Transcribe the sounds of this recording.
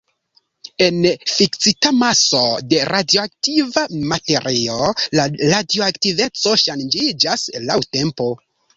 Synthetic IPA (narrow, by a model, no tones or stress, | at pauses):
e̞nfiksitamaso̞de̞ɾʔadio̞ak̚tivamate̞ɾʔio̞laɾadioaktive̞t͡so̞ʃand͡ʒid͡ʒaslawte̞mpo̞